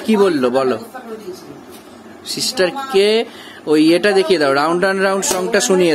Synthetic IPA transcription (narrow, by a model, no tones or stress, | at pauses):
kibolːobʱɔlo | sisʈʌɾke | ojeʈad̪ekʰijed̪ʱawɖawɳɖɾanɾawɳɖsɔŋʈasunije